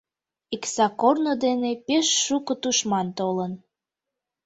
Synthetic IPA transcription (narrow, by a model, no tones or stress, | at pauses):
iksɑkornod̪enepeʃːukət̪uʃmɑnt̪olən